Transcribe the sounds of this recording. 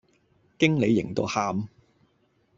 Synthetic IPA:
kɪ˥ŋle˨˧jːɪ̰˨˩ŋt̪o̰˧haː˧m

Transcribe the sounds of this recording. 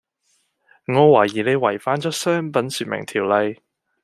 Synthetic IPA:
ŋɔː˨˧waː˨˩jiː˨˩ne˨˧jwɐ˨˩jfaː˨˥nt͡ʃɔː˨˥sœː˥ŋpɐ˨˥nsyː˧t̚mɪ̰˨˩ŋt̪ʰiː˨˩wlɐ˧j

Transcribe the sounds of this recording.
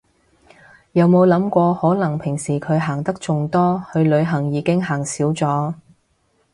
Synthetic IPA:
jɐ˨˧wmo˨˧wlɐ˨˥mkʷɔː˧hɔː˨˥lɐ˨˩ŋpʰɪ˨˩ŋsiː˨˩kʰɵ˨˧ɥɦaː˨˩ŋt̪ɐ˥k̚t͡sʊ˨˧ŋt̪ɔː˥hɵ˧ɥlɵ˨˧ɥɦɐ˨˩ŋjiː˨˧kɪ˥ŋɦaː˨˩ŋsiː˨˥wt͡sɔː˨˥

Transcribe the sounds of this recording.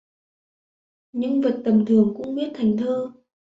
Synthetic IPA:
ɲɨ̰˧ŋvə˨˩t̚t̪ə˨˩mt̪ʰɨ˨˩əŋkʊ̰˧˥ŋ͡mɓi˦˥ət̚t̪ʰa˨˩jŋ̟t̪ʰəː˧

